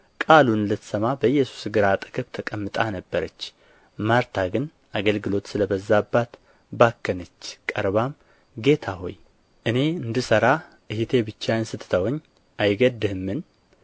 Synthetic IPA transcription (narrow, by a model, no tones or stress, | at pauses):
kʼalunlət̪ʰsəmabəjːɛsu̥sɡɨɾat̪ʼɨ̥kʰɨβt̪ʰəkʼəmːɨt̪ʼanəbːəɾət͡ʃː | maɾt̪ʰaɡɨn | ʔaɡəlɡɨlo̞t̪sɨləbəzːabːat̪ | bakːənət͡ʃːkʼəɾβam | ɡe̞t̪ʰaho̞̰j | ʔɨne̞ɨnd̪ɨsəɾa | ʔɨhit̪ʰe̞bɨt͡ʃːaɨnsɨt̪ʰːt̪ʰəwɲː | ʔajɡəd̪ɨhɨmːɨn